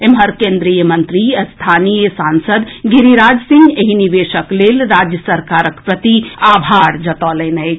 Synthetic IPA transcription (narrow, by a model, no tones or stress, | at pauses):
emɦəɾkẽːnd̪ɾijəmɐ̃nt̪ɾist̪ʰaːnijəsaːnsəd̪ɡiɾiɾaːd͡ʒsɪ̃ŋɡeɦiniʋeːʃəkleːlɾaːd͡ʒjəsɐɾkaːɾəkpɾət̪iaːbʱaːɾd͡ʒɐt̪ɔːlenɐe